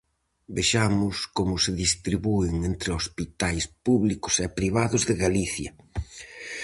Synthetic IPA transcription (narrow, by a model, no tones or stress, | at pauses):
beʃamʊskomʊsɪðist̪ɾiβuɪŋent̪ɾeospit̪ajspuβlikʊ̥sɛpɾiβaðʊzðɪɣaliθjɐ